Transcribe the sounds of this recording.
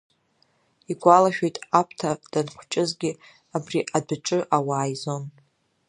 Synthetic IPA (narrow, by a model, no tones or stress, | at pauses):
iɡʷʼalaʃᶣejtʼapʷʰtʰad̥anχʷt͡ʃʼɪzɡʲɪ | abriʔadɨʈ͡ʂʼɨʔawaːjzo̞n